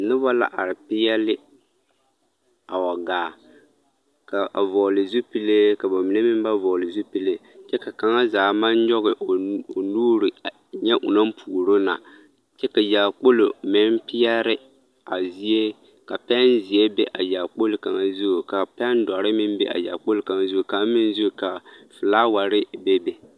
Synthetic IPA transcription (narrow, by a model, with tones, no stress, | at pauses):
nɪ˦bɔ˦la̰˦ʔa˨ɾɪ˨pɪ˦jɛ˦lɪ˦ | a˨wa˨ɡaː˨ | ka˨ʔa̰˨vɔ˨lɪ˨zu˦pi˦le˦ka˨ba˨mi˨ne˦mɪ˦m˦ba˦vɔ˨lɪ˨zu˦pi˦le˦ | t͡ʃɛ˦ka˨ka˨ŋa˦zaː˨˦ma˦n˦ɲɔ˦ɣɪ˨o˨nuː˦ɾɪ˨ | ɲɛ˦ʔʊ̰˨na˦m̩˦pʰuː˨ɾo˦na̰˨ | t͡ʃɛ˦ka˨ja˨k͡po˦lo˨mɪ˦n˦pi˦ja˦ɾɪ˦ | a˨zi˦e˦ | ka˨pɛ˦nzi˨e˦bɛ˦ʔa˨ja˨k͡po˦lɪ˨ka˨ŋa˦˨zu˦˨ka˨pɛ˦n˦da˨ɾɪ˦mɪ˦m˦bɛ̰˦ʔa̰˨ja̰˨k͡po˦lka˨ŋa˦zu˦˨ka˨˦mɪ˦n˦zu˦˨ka˨fɨ˨laː˦wa˨ɾɪ˦be˦be˦